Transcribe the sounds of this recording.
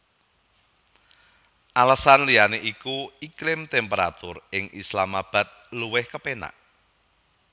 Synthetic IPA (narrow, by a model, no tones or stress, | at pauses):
ʔalasanlijaneʔikuikɾɪmt̪ɛmpəɾa̰t̪ʊrɪŋʔislamab̥a̤t̪̚luwɪhkəpena̰ʔ